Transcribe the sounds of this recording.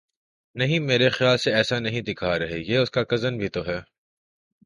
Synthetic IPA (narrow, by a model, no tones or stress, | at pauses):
nɐɦĩmeːɾexjaːlseɛːsanɐɦĩd̪ɪkʰaɾɐɦejeːʊskakɐzənbʱit̪oɦɛː